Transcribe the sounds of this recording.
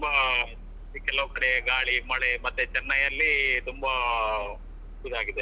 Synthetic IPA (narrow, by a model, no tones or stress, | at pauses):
t̪umbɐ | kɛlɐʋɐkɐɽeɡaːɭimɐɭemɐt̪ːet͡ʃɛnːɐjɐlːit̪umbɐ | kud̪aːɡid̪e